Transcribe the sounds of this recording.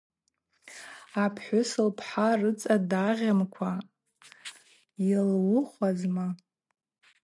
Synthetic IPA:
apʰħʷᶣʊsɨlpʰħarɨt͡sʼadaʁʲamkʷʰa | jilwʊχʷazma

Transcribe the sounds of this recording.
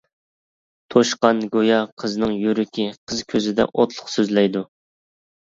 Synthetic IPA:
t̪ʰoʃqɑnɡojɑqʰəznɨŋjyɾykʲʰiqʰəz̥kʲʰøzɪd̪ɛ̰ʔot̪ʰlˠʊχsøzlɛjd̪u

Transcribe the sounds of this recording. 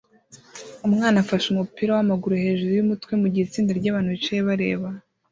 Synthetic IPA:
umŋaːnafaʃumupiːɾawamaɡuɾuhe̞ʒuɾujumutwe̞muɟiit͡siːndaɾɟaːβaːn̥huβit͡ʃajeβaɾe̞̰ːβa

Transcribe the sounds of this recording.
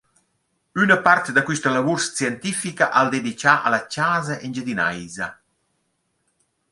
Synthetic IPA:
ynəpart̪d̪akwist̪əlavuɾst͡sjɛnt̪ifikaʔald̪ed̪it͡ʃaʔa̰lat͡ʃaːzaʔend͡ʒəd̪ina̰jzɐ

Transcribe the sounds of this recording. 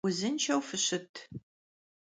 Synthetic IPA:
ʊzɨnt͡ʃʰɐwfɨɕɨtʰ

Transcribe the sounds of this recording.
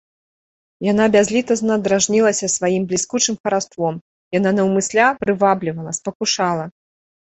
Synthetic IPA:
jan̪abʲazʲlʲit̪ɐznɐd̪ɾaʐnʲilˠɐsʲɐsvajimblʲiskut͡ʂɨmxɐɾast̪vɔm | jananɐwmɨsʲlʲapɾɨvablʲivɐlˠɐspɐkuʂalˠɐ

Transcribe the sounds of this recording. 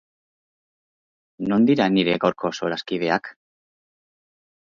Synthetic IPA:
no̞nd̪iɾaniɾe̞ɣawɾkʰo̞so̞ɾaskið̞e̞ak

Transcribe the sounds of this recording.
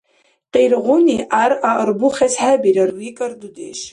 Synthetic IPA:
qʼejrʁʷʊniʔaraərbuχʲasħabiɾarwikʼardudeʃ

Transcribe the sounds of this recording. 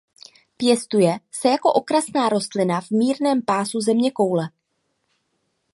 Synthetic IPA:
pjɛst̪ujɛsɛjako̞ʔo̞kɾasnaːɾo̞st̪lɪnavmiːɾnɛːmpaːsuzɛmɲɛko̞wlɛ

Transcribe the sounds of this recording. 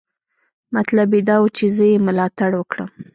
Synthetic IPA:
mat̪labed̪ɑwət͡ʃezəjeməlɑt̪aɽwəkɽəm

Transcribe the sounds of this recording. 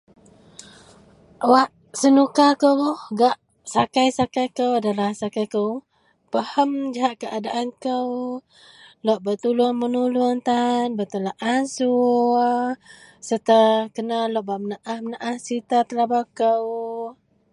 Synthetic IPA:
waʔ | sənukakəwhɡaʔ | sakajsakajkəwadalahsakajkəw | pəhəmd͡ʒaɦaʔkəʔadaʔankəw | lɔʔbət̪ulunmənulʊnt̪anbət̪əlaʔansu | sət̪əkənalɔʔbaʔmənaʔahmənaʔahsit̪at̪əlabakəw

